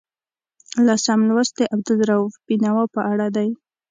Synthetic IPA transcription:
lasamlwast̪̚d̪əʔab̚d̪əlɾaufbinawapəʔaɽad̪aj

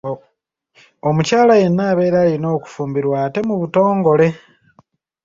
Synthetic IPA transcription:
o̞mucaːlaje̞nːaːβe̞ːɾaːlino̞ːku̥fuːmbiɾwaːte̞muβuto̞ːŋɡo̞le̞

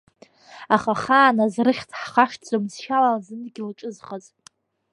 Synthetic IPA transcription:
aχaχaːnazrɨχʲtʰħχaʂd͡zʼomzʃalazɨnɡʲilaʈ͡ʂʼɨzχaz

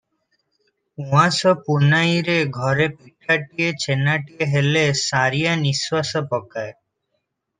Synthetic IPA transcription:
ũasɔpunajɾeɡʱɔɾepiʈʰaʈiet͡ɕʰenaʈieɦelesaɾijaniswasɔpɔkae

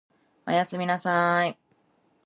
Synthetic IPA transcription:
a̰jasɨmʲinasai

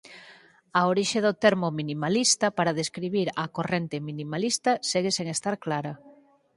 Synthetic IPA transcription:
aoɾiʃeðot̪eɾmominimalist̪apaɾaðeskɾiβ̞iɾakorent̪eminimalist̪aseɣ̞eseŋest̪aɾklaɾa

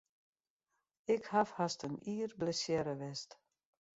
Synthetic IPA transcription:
ɪkhafhastəniːrbləsjɛɾəʋɛst

